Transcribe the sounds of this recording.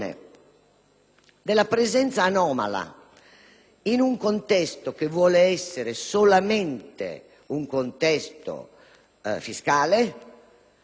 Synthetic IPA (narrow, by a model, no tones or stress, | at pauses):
nɛ̰ | d̪ɛlapɾɛzɛnt̪saːnɔːma̰la̰ | inuŋkont̪ɛst̪okevwɔːlɛɛsːɛɾesolamɛnt̪ḛ | uŋkont̪ɛst̪o̰ | fiskaːle